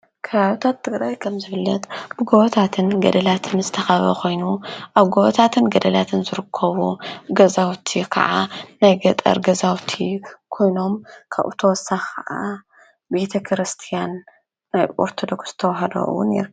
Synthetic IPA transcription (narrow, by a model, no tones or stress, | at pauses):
kʰɐβaβit̪ʰat̪ʰːɨɡɾajkʰɐmzɨfɨlːɐt̪bɨɡoβɐt̪ʰat̪ʰɨnɡɐd̪ɐlat̪ʰɨnzɨt̪ʰɐxɐβɐ̰kʰo̞jnuʔaβɡoβɐt̪ʰat̪ʰɨnɡɐd̪ɐlat̪ʰɨnzɨɾɨkʰːɐβuɡɐzawt̪ʰikʰɐ̰ʔa̰najɡɐt̪ʼɐ̰ɾɡɐzawt̪ʰikʰo̞jno̞mkʰaβʔṵt̪ʰɐwɔsːaxkʰɐʔa | be̞t̪ʰɐkʰɾɨst̪ʰijanː | ajʔo̰ɾt̪ʰod̪o̞kst̪ʰɐwɦɐd̪ɐ̰ʔṵwṵnḛɾ